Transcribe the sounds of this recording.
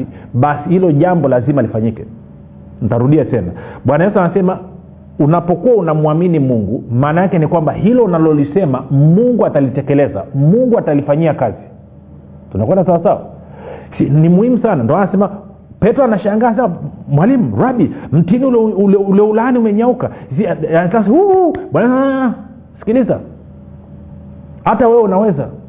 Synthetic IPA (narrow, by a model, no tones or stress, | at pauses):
iɓasihilɔʄambɔlazimalifaɲikɛ | n̩taɾuɗiatɛnaɓwanajɛsuanasɛma | unapɔkuaunamuaminimuŋɡumaːnajakɛnikwambahilɔnalɔlisɛmamuŋɡuatalitɛkɛlɛza̰muŋɡuatalifaɲiakazi | tunakwɛndasawasawa̰sinimuhimusanandɔanasɛma | pɛtɾɔanaʃaŋɡaːs̬awamwalimuɾaɓim̩tiniulululɛulaniumɛɲaukasiasashuɓwanaa | si̥kiliza̰ | hatawɛwɛunawɛza̰